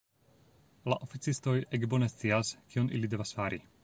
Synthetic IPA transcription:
laʔo̞fit͡sisto̞jekbo̞ne̞st͡siaskio̞nʔilide̞vasfaɾi

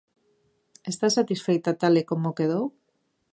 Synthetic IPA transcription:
est̪asat̪isfejt̪at̪alekomokeð̞ow

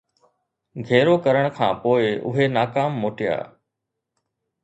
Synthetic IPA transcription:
ɡʱeːɾokɐɾəɽ̃kʰã̰ːpoːɪʊ̰ɦenaːkaːmːoːʈɪja̰ː

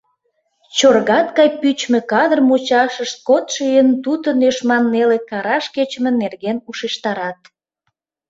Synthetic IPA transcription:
t͡ɕorɣɑt̪kɑjpyt͡ɕmekɑd̪ərmut͡ɕɑʃəʃt̪̚kot̪ʃejənt̪ut̪ənøʃmɑnːelekɑɾɑʃket͡ɕəmĕnerɣenuʃeʃt̪ɑɾɑt̪̚

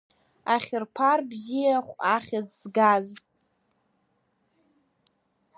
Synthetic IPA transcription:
aχʲɪrpʰarbzijaχʷaχʲad͡zzɡaz

